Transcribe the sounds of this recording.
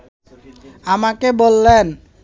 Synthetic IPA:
amakebolːen

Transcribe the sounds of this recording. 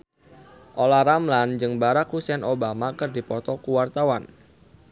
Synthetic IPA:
ʔolaɾamland͡ʒɨŋbaɾakhusɛnobamakɨrdipɔt̪ɔkuwart̪awan

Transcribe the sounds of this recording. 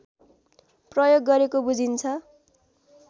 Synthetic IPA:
prʌjoɡːʌɾekobud͡zʱint͡sʰʌ

